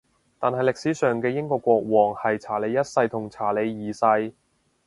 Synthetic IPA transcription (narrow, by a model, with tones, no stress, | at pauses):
t̪aː˨nɦɐ˨jlɪ˨ksi˨˥sœː˨˩ŋkɛː˧jɪ˥ŋkɔː˧kːʷɔː˧k̚wɔː˨˩ŋhɐ˨jt͡sʰaː˨˩le˨˧jɐ˥t̚sɐ˧jt̪ʰʊ˨˩ŋt͡sʰaː˨˩le˨˧jːiː˨sɐ˧j